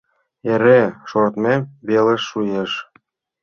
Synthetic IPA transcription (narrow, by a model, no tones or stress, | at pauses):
eɾeʃort̪mebeleʃːujeʃ